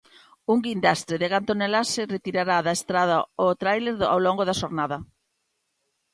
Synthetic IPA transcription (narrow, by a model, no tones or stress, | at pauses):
uŋɡind̪ast̪ɾeðeɣant̪onelasɪret̪iɾaɾaðaest̪ɾað̞aot̪ɾajleɾða̰wloŋɡoðɐaʃoɾnaðɐ